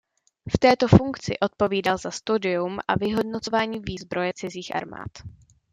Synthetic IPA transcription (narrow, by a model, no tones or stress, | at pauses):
ft̪ɛːt̪o̞fuŋkt͡sɪ̰ʔo̞t̪̚po̞viːdalzast̪udɪumʔa̰vɪɦo̞dnot͡so̞vaːɲiːviːzbɾo̞jɛt͡sɪziːxʔa̰ɾma̰ːt̪